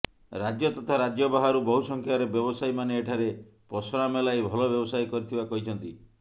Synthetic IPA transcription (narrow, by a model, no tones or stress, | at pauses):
ɾad͡ʒjɔt̪ɔt̪ʰaɾad͡ʒjɔbaɦaɾubɔɦusɔŋkʰjaɾebjɔbɔsajmaneːʈʰaɾe | pɔsɔɾamelajbʱɔlɔbjɔbɔsajkɔɾit̪ʰibakɔɦit͡ʃʰɔnt̪i